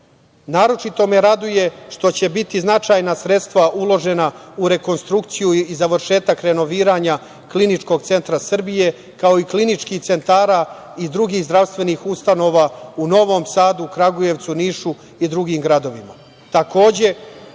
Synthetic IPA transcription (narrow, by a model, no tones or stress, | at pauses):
naːɾo̞t͡ʃit̪o̞me̞ɾad̪uje̞ʂt̪o̞t͡ɕe̞bit̪iznat͡ʃaːjnasɾe̞t̪st̪ʋaʔulˠo̞ʒe̞nauɾe̞ko̞nst̪ɾuk̚t̪sijuizaʋr̩ʃe̞ːt̪akɾe̞no̞ʋiːɾaɲa | klinit͡ʂko̞ɡ̚t̪se̞nt̪ɾasr̩bije̞ | kao̞iklinit͡ʂkiːxt̪se̞nt̪aːɾa | id̪ɾuɡiːɣzd̪ɾaʋst̪ʋe̞niːxust̪ano̞ːʋauno̞ʋo̞ːmsaːd̪ukɾaɡuje̞ʋt̪suniːʃu | id̪ɾuɡiːmɡɾad̪o̞ʋima̰ | t̪ako̞ːd͡ʑe̞